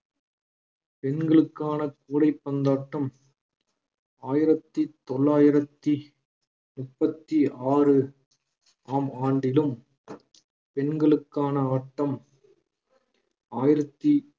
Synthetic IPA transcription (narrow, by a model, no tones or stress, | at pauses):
pɛnɡɐɭɯkːaːnɐkuːɽɐɪpːɐnd̪aːʈːɐm | aːjɪɾɐt̪ːit̪ɔlːaːjɪɾɐt̪ːi | mʊpːɐt̪ːiaːrɯ | aːmaːɳɖɪlɯm | pɛnɡɐɭɯkːaːnɐaːʈːɐm | aːjɪɾɐt̪ːi